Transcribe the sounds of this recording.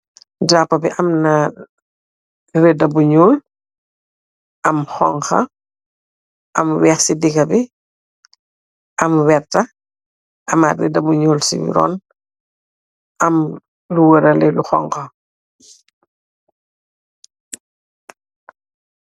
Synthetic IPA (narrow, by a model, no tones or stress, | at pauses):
dapːɐbiʔɐmnɐ | rɛdɐbuɲoːl | ʔɐmxɔŋxɐ̰ | ʔɐmwɛːxsidikɐbi | ʔɐmwɛrtɐ | ɐmarɛ̰dɐbuɲoːlsḭɾɔ̰ːn | ʔɐm | luwəɾɐlɛluxɔ̰ŋkɐ